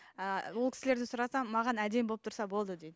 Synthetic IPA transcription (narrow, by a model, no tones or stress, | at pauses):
əwolˠkʲɪ̥sɪleɾd̪ɪsʊɾɑsɑmɑʁɑnæd̪e̞mbolˠəp̚t̪ʰɾsɑbo̞lˠd̪əd̪ejd̪ɪ